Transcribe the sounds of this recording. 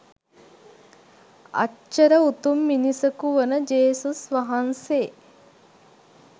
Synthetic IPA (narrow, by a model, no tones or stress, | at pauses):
ɐ̰əɾəut̪umːinisəkuʋənəd͡ʒeːsusʋɐɦanse